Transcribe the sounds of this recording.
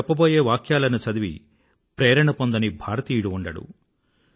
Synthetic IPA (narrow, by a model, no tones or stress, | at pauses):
ɐpːɐbo̞ːjeːʋaːkʰjaːlɐnut͡ʃɐd̪iʋḭ | pɾeːɾɐɳɐpond̪ɐnibʱaːɾɐt̪iːjuɽuuɳɖɐɽṵ